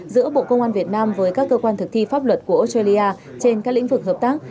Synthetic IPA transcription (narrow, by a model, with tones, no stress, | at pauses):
zɨ̰˧˥əɓo̰˧˨kə˧wŋ͡mʔaː˧nvi˨˩ət̚naː˧mvəː˨˦jkaː˦˥kːəː˧kwaː˧nt̪ʰɨ˨˩k̚t̪ʰi˧faː˦˥p̚lwə˨˩t̚ku˧˩əʔo˨˦˥staː˧li˧ʔaː˧ | t͡ɕe˧nkaː˦˥k̚lḭ˧˥ŋ̟vɨ˨˩k̚ɦəː˨˩p̚t̪aː˦˥k̚